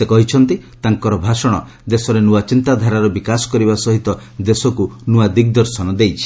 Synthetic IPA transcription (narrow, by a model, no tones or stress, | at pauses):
sekɔɦit͡ʃʰɔnt̪i | t̪aŋkɔɾɔbʱasɔɽ̃ɔ | d̪esɔɾenuwat͡ʃint̪ad̪ʱaɾaɾɔbikasɔ̥kɔɾibasɔɦit̪ɔ | d̪esɔkunuad̪ik̚d̪ɔɾsɔnɔd̪ejt͡ʃʰi̥